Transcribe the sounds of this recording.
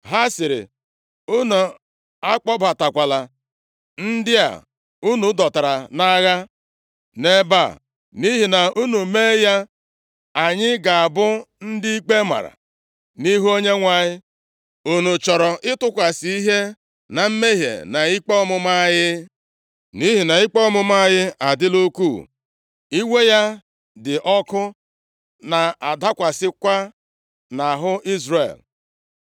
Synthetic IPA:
ɦa˦sɪ˨ɾɪ̰˨ | u˦nu˨ | a˦k͡pɔ˦ba˨ta˨kʷa˨la˨ | n̩˦dɪ˦a̰˨ | u˦nu˨˦dɔ˨ta˨ɾa˨na˦ɣa˦ | ne˦ba̰˦˨ | ni˦ɦi˨na˨u˦nu˨me˦ja˦ | a˨ɲɪ˦ɡa˨a˨bʊ˦n̩˦dɪ˦i˦k͡pe˦ma̰˨ɾa̰˨ | ni˦ɦu˦o˦ɲe˦ŋʷa˦ɲɪ˦ | o˨nu˨t͡ʃɔ˨ɾɔ˨ʔɪ˦tʊ˦kʷa˨si˦i˦ɦe˦ | na˨m̩˦me˦ɦjḛ˨na˨i˦k͡pɔ˦mʊ˦ma˦jɪ˦ | ni˦ɦi˨na˨i˦k͡pɔ˦ɔ˦mʊ˦ma˦jɪ˦a˨dɪ˦lo˦kuː˦˨ | i˦we˦ja˦ | dɪ˨ʔɔ˦kʊ˦ | na˨a˨da˦kʷa˨sɪ˦kʷa˦ | na˨ɦʊ˦i˦zrḛ˨l

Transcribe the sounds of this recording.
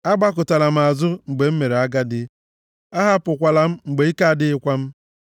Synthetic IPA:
a˦ɡ͡ba˦kʊ˨ta˨la˨m̩˨a˨zʊ˦ŋ͡m̩˨ɡ͡be˨m̩˦me˨ɾe˨a˦ɡa˦dɪ˦ | a˦ɦa˦pʊ˨kʷa˨la˨m̩˦ŋ͡m̩˨ɡ͡be˨i˦ka˦a˦˨dɪ˦ɪ˦kʷa˦m̩˦

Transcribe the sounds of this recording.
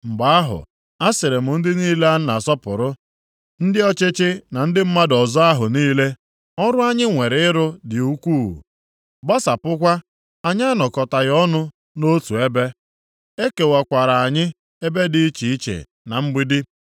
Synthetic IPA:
ŋ͡m̩˨ɡ͡ba˨a˦ɦʊ̰˨ | a˦sɪ˨ɾɪ˨mʊ˨n̩˦dɪ˦niː˦le˦a˦n̩˦na˨sɔ˦pʊ̰˨ɾʊ˦ | n̩˦dɪ˦ɔ˦t͡ʃɪ˦t͡ʃɪ˦na˨n̩˦dɪ˦m̩˦ma˦dɔ˨zɔ˦a˦ɦʊ˨niː˦le˦ | ɔ˦ɾʊ˦a˦ɲɪ˦ŋʷe˨ɾɪ˨ɪ˦ɾʊ˦dɪ˨u˦kʷuː˦˨ṵ˨ | ba˦sa˨pʊ˦kʷa˦ | a˨ɲ˦a˦nɔ˨kɔ˨ta˨ɣɔ˦nʊ˦ | no˦tu˨e˦be˦ | e˦ke˨wa˨kʷa˨ɾa˨a˨ɲɪ˦ | e˦be˦dɪ˨˦i˦t͡ʃi˨i˦t͡ʃḛ˨ | na˨m̩˦ɡ͡bi˦dɪ˦

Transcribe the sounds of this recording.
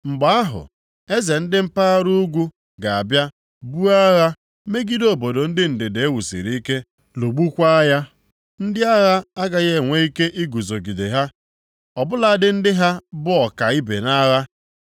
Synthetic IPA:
ŋ͡m̩˨ɡ͡ba˨˦a˦ɦʊ̰˨ | e˦ze˨n̩˦dɪ˦m̩˦pa˦a˦ɾu˦ɡʷu˦ | ɡa˨a˨bja˦ | bu˦a˦ɣa˦ | me˦ɡi˦do˦bo˨do˨n̩˦dɪ˦n̩˨dɪ˨de˨e˦wu˨sḭ˨ɾi˦i˦ke˦ | lo˨ɡ͡bu˦kʷa˦a˦ja˦ | n̩˦dɪ˦a˦ɣa˦a˦ɡa˨ɣe˦˨ŋʷe˦i˦ke˦ʔi˦ɡu˨zo˨ɡi˨de˨ɦa˦ | ɔ˨bʊ˦la˨˦˨dɪ˦n̩˦dɪ˦ɦa˦bʊ˦ɔ˨ka˨i˦bḛ˨na˦ɣa˦

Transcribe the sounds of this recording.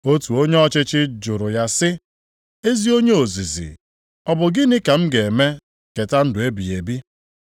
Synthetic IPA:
o˦tu˨o˦ɲe˦ɔ˦t͡ʃɪ˦t͡ʃɪ˦d͡ʒʊ˨ɾʊ˨ja˦sɪ˦ | e˦zi˦o˦ɲe˦o˨zi˨zḭ˨ | ɔ˦bʊ˨ɡɪ˦nɪ˦ka˨m̩˦ɡe˨me˦ | ke˨ta˦n̩˦dʊ˨e˦bi˨e˨bi˦

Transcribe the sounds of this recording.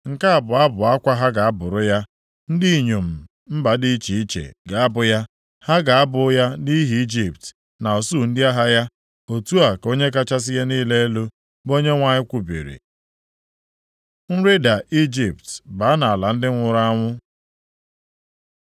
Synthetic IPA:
ŋ̩˨ka˦a˨bʊ˨a˦bʊ˨a˦kʷa˦ɦa˦ɡa˨a˦bʊ˨ɾʊ˦ja˦ | n̩˦di˦i˨ɲo˨m̩˨ | m̩˦ba˨di˦t͡ʃi˨i˦t͡ʃḛ˨ɡa˨a˦bʊ˨ja˦ | ha˦ɡa˨a˦bʊ˨˦ja˦ni˦ɦi˨i˦d͡ʒi˨pt | na˨o˨su˦˨n̩˦dɪ˦a˦ɦa˦ja˦ | o˨tu˦a˨ko˦ɲe˦ka˦t͡ʃa˦s̬ɪ˦ja˦niː˦le˦e˦lo˦ | bo˦ɲe˦ŋʷa˦ɲɪ˦kʷu˨bḭ˨ɾḭ˨ | n̩˦ɾe˦da˨ʔi˦d͡ʒi˨ptba˨˦na˨a˨la˨n̩˦dɪ˦ŋʷʊ˨ɾa˦ŋʷʊ˦

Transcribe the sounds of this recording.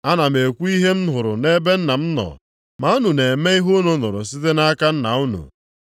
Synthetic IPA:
a˦na˨me˨kʷu˦i˦ɦe˦n̩˦ɦʊ˨ɾʊ˨ne˦be˦n̩˦na˨m̩˦nɔ̰˨ | ma˨u˦nu˨ne˨me˦i˦ɦu˦nu˦nʊ˨ɾʊ̰˨si˦te˦na˦ka˦n̩˦na̰˨u˦nṵ˨

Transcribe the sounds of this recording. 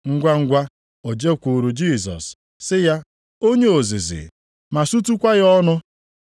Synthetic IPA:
ŋ̩˦ɡʷa˦ŋ̩˦ɡʷa˦ | o˨d͡ʒe˦kʷu˨ɾu˨d͡ʒiː˦˨s̬ɔ̰˨s | sɪ˦ja˦ | o˦ɲe˦o˨zḭ˨zɪ̰˨ | ma˨su˦t̬u˦kʷa˦ɣɔ˦nʊ˦

